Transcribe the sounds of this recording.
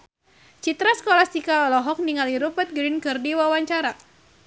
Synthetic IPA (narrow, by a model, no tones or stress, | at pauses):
t͡ʃit̪ɾasə̥kolast̪ikaɔlɔɦɔk̚niŋaliɾupət̪̚ɡɾinkɨrdiwawaɲt͡ʃaɾa